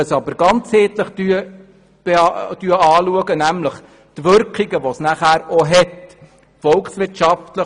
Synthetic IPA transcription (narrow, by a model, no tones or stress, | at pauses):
əsɑbəɾɡ̥ɑnt͡sheːt̪ləχt̪yə | b̥eɑtyəɑːluəɡənæmləχ | t̪ʋʏɾkχiɡəʋosnæχæːɾɔɦɛt | fɔlksʋɪtʃɑft̪lə